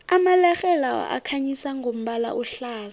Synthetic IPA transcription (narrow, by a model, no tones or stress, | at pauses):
amalaxɛlawa̰ʔa̰kʰaɲisaŋɡʱom̩ɓala̰ʔuɬaːz